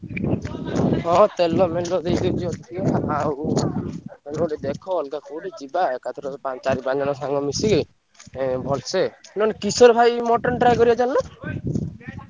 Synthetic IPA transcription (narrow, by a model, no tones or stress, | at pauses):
ɔ̃ʔɔ̃t̪ɛlːɔmɛllɔd̪ejɡɔd͡ʒɔlt̪iɔaaw | ɛnuɖɛd̪ɛkʰɔːlɡakoɖɛt͡ʃibaɛkat̪ʰɔɾɔpant͡ʃaɾibaɲd͡ʒanɔsaŋɡɔmisiɡi | bʱɔlsɛnɔnkisɔɾbʱajmɔʈɔnʈɾajkɔɾiad͡ʒallɔ